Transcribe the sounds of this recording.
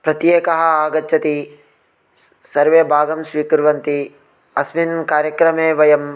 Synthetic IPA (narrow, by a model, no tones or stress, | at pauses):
pɾɐt̪jeːkɐɦɐ̆aːɡɐt͡ʃːɐt̪i | sɐɾʋeːbʱaːɡɐmsʋiːkɾʋɐnt̪i | ɐsminkaːɾjɐkɾɐmeːʋɐjɐm